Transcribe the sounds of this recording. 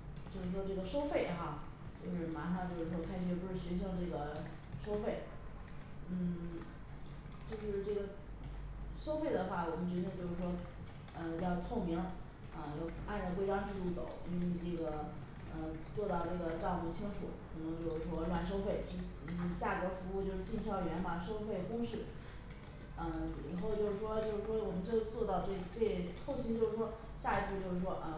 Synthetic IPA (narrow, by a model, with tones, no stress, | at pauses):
t͡ɕjo˥˧ʊʂɻ̩˥˩ʂwɔ˥ʈ͡ʂɤ˥˩ɡə˩ʂo˥ʊfe˥˩ɪxa˥˧ | t͡ɕjo˥˧ʊʂɻ̩˥˩ma˧˥ʂɑ˥˧ŋt͡ɕjo˥˧ʊʂɻ̩˥˩ʂwɔ˥kʰɪʂɻ̩˧˥jpu˧˥ʂɻ̩˥˩ɕi˧˥nɕ̬i˧˥ʈ͡ʂɤ˥˩ɡə˩ | ʂo˥ʊfe˥˩ɪ | n̩˥˩ | t͡ɕjo˥˧ʊʂo˥˧ʂɻ̩˥˧ʈ͡ʂɤ˥˩ɡə˩ | ʂo˥ʊfe˥˩ɪd̪ə˩xwa˥˩wɔ˨˩mə˦nt͡ɕɥɛ˧˥t͡ɕt͡ɕjo˥˧ʊʂɻ̩˥˩ʂwɔ˥ | ə˧jɑ˥˧ʊt̪ʰo˥˩ʊŋmi˧˥ŋ | ə˧jɑ˥˧ʊpa˥˧nʈ͡ʂk̬we˥ɪʈ͡ʂwa˥ŋʈ͡ʂɻ̩˥˧lu˥˩t͡so˨˩˦ʊḭ˥nwe˥˧˩ʈ͡ʂɤ˥˩ɡə˩ | ə˧t͡swɔ˥˧t̪ɑ˥˧ʊʈ͡ʂɤ˥˩ɡə˩ʈ͡ʂɑ˥˧ʊmu˥˩t͡ɕʰi˥ŋʂʰṵ˨˩˦ɻa˧˥xo˧ʊt͡ɕjo˥˧ʊʂɻ̩˥˩ʂwɔ˥˩ma˨˩ʂ̬o˥ʊfe˥˩ɪʈ͡ʂ̩˥˩˥ | t͡ɕja˥˩kɤ˧˥fu˧˥u˥˧t͡ɕjo˥˧ʊʂɻ̩˥t͡ɕi˥˩nɕjɑ˥˩ʊɥɛ˧˥nma˨˩ʂo˥ʊfe˥˩ɪkʊ˥ŋʂɻ̩˥˩ | ə˥˧ɻa̰˧˥nxo˥˧ʊt͡ɕjo˥˧ʊʂɻ̩˥˩ʂwɔ˥t͡ɕjo˥˧ʂɻ̩˥˩ʂwɔ˥wɔ˨˩mə˦nʈ͡ʂɤ˥˧˥t͡swɔ˥˧t̪ɑ˥˧ʊʈ͡ʂɤ˥˩˧ʈ͡ʂe˥˩t̪ʰo˥˩ʊɕi˥ŋt͡ɕjo˥˧ʊʂɻ̩˥˩ʂwɔ˥ | ɕja˥˧i˧˥t͡s̩ʰ˥˧t͡ɕjo˥˧ʂɻ̩˩ʂwɔ˥ʔə˧˩